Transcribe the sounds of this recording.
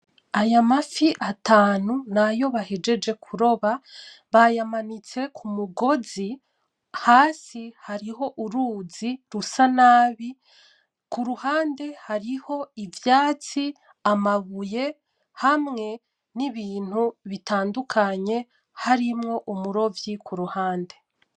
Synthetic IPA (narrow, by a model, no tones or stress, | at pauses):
ajamafiʔataːnunajo̞βahed͡ʒe̞d͡ʒe̞kʰuɾo̞βa | βajamanit͡se̞kʰumuɡo̞zi | haːsihaɾiɦo̞ʔuɾuːziɾusanaːβi | kuɾuhaːnde̞haɾiho̞ivjaːt͡si | amaβuje̞ | hamŋe̞ | niβiːn̥huβitaːndukʰaɲe̞ | haɾimŋo̞ʔumuɾo̞vjikʰuɾuhaːnde̞